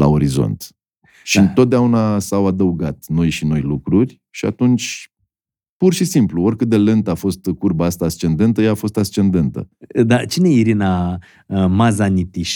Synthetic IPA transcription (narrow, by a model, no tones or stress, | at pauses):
la̰o̞ɾizo̞̰nt̪ | ʃiɨnt̪ot̪̚d̪eaunasawad̪əuɡat̪no̞jʃino̞jlukɾurʲ | ʃia̰t̪unt͡ʃʲ | purʃisimpluo̞ɾʲrʲkɨt̪̚d̪e̞le̞nt̪əafo̞st̪kurbaast̪aːst͡ʃe̞nd̪e̞nt̪əjaːfo̞st̪ast͡ʃe̞nd̪e̞nt̪ə̰d̪at͡ʃineiɾina | mazanit̪iʃ